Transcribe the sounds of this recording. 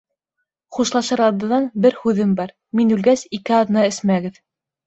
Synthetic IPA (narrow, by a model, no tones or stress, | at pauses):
χuʃlˠɑʃɤɾɑd̪ɤ̆nɑnbɘɾhʉðɘmbɑɾ | minʉlɡæsikɘɑðɤ̆nɑɘ̆smæɡɘð